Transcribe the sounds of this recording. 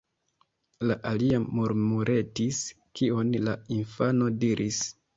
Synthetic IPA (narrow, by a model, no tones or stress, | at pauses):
laʔaliamuɾmuɾʔe̞tis | kionlainfano̞diɾʔis